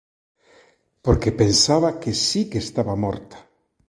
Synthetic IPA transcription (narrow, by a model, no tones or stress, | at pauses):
poɾkepensaβakesikest̪aβamo̰ɾt̪ḁ